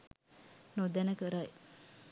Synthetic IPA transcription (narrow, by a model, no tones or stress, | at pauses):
nod̪ɛnəkəɾaj